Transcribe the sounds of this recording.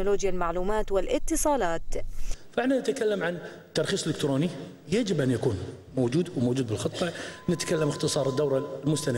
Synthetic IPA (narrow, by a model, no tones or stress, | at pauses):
nʊloːd͡ʒjalmaʕluːmaːt̪wɪlʔɪt̪ːɨsˤɑːlɑːt̪fɪħnanɪt̪kalːamʕan | t̪ːɑɾˤxiːsˤɪlːɪkt̪ɾoːni | jad͡ʒɪbʔanjakuːn | moːd͡ʒuːd̪wmoːd͡ʒuːd̪bɪlxɨt̪ˤːɑnɪt̪kalːamɪxt̪ɨsˤɑːɾˤəd̪ːawɾˤalmʊst̪ana